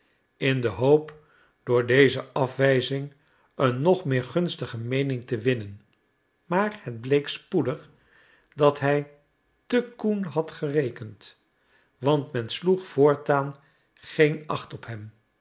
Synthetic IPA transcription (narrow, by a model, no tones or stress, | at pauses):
ɪndəɦowp | d̥ʊːɹdejzəʔɑfʋɛjzɪŋ | ənːɔχmɪːɹχɵnstəχəmejnɪŋtəʋɪnən | maːɹhəd̚blejkspudəχ | dɑtɦɛj | təkunɦɑtχərejkənt | ʋɑntmɛnsluχfʊːɹtaːn | χejnɑχtɔpɦɛm